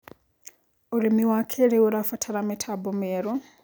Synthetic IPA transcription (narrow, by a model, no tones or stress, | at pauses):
uɾimiwakʰɛɾɛuɾafatʰaɾamɛtʰabɔmɛɾɔ